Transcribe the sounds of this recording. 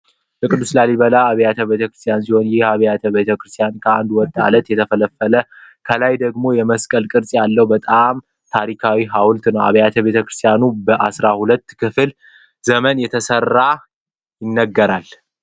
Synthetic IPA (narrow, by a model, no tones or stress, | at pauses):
bəkʼɨd̪ːuslaliβəlaːβəjat̪ʰəβe̞t̪ʰəkɾɨ̥st̪ʰjansiho̞njɪhaβəjat̪ʰəβe̞t̪ʰəkɾɨst̪ʰijankʰəand̪wɔt̪ʼa̰lət̪jɛt̪ʰəfələfːələkʰəlajd̪əɡmo̞jɛməskʼəlkʼɨɾsʼjalːəhbət̪ʼam | t̪ʰaɾikʰawiɦawlt̪nəwa̰βəjat̪ʰəβe̞t̪ʰəkɾɨst̪ʰijanubəʔasɾahulət̪ːkʰɨfɨl | zəmənjɛt̪ʰəsərːa | jɪnːəɡːəɾal